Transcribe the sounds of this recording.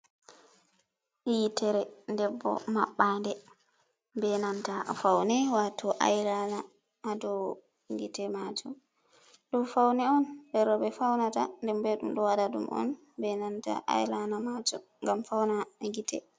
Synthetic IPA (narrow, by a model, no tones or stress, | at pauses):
ʔjitɛɾɛndɛbːɔ̰ma̰ɓːandɛ | bɛnantafawnɛwatɔʔa̰jlanaː | dɔ | ŋɡitɛmad͡ʒɔm | ɗɔfawnɛɔndɛɾɔbɛfawnata̰ndɛmbɛɗumɗɔwadadṵmɔ̰n | bɛnanta̰ʔa̰jlanamad͡ʒɔ | ŋɡamfawnaŋɡitɛ̰